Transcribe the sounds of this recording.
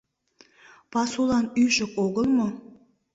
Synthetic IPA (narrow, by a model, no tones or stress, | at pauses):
pɑsulˠɑnyʒə̆koɣəlˠmo